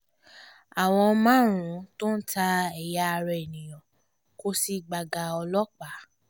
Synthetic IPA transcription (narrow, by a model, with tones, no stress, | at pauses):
a˨w̃ɔ̃˧mãː˦ɾũ˨˦to˦n̩˦ta˧ɛ˨ja˧ɾɛ˧e˨nĩ˨jɔ̃˨ | ko˦si˦ɡ͡ba˨ɡa˨˦ɔ˧lɔ˦k͡pa˨˦